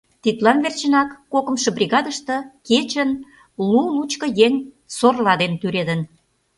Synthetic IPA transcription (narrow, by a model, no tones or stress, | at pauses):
t̪it̪lɑnβert͡ɕənɑkːokə̆mʃə̆brʲiɣɑd̪əʃt̪ɤ̆ket͡ɕən | lulut͡ɕkə̆jeŋ | sorlɑd̪ent̪yɾed̪ən